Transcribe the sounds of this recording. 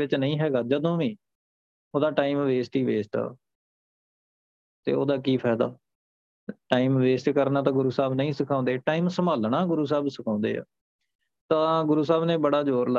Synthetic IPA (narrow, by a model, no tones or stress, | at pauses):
ɪt͡ʃnəĩːɦɛːɡaːd͡ʒəd̪õːʋĩː | oːd̪aːʈaːimʋeːsʈiːʋeːsʈa̰ː | t̪ḛːo̰ːd̪aːkiːpʰɛːd̪a̰ː | ʈaːimʋeːsʈkəɾnãːt̪ãːɡʊɾuːsaːbnəĩːsəkʰãːnd̪eːʈaːiːmsəmaːlnaːɡʊɾuːs̬aːbsɪkʰãːnd̪ḛːa̰ː | t̪ãːɡʊɾuːsaːbneːbəɽaːd͡ʒoːɾla